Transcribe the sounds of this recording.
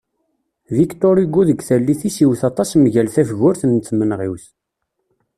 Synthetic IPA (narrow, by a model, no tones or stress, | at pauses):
vikt̪oɾiɡːuðəɡθælːiθisiwθɑt̪ˤɑsmʝælθæfəɣʊɾθənθmənʁiwθ